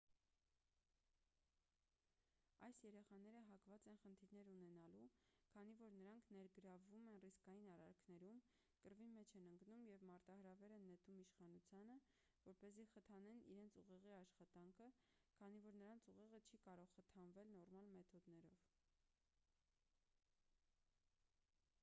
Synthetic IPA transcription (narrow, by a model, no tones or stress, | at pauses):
ɑjsjɛɾɛχɑnɛɾəɦɑkvɑt͡sɛnχənt̪ʰiɾn̪ɛɾunɛnɑlukʰɑnivɔɾnəɾɑŋkʰnɛɾɡəɾɑvːumɛnriskɑjinɑrɑ̰ɾkʰnɛɾum | kəɾvimɛt͡ʃʰɛnəŋɡnumjɛvmɑɾt̪ɑhəɾɑvɛɾɛnːɛt̪ʰumiʃχɑnut͡sʰjɑnə | vɔɾpɛziχət̪ʰɑnɛniɾɛnt͡sʰuʁɛʁiɑʃχɑt̪ɑŋkʰə | kʰɑnivɔɾnəɾɑnt͡sʰuʁɛʁət͡ʃʰikɑɾɔʁːət̪ʰɑnvɛlnɔrmɑlmɛt̪ʰɔd̪nɛɾɔv̥